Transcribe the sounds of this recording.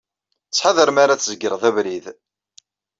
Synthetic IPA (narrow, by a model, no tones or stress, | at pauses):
t͡sːħaðəɾmaɾat͡sːzəɡəɾʁðævɾið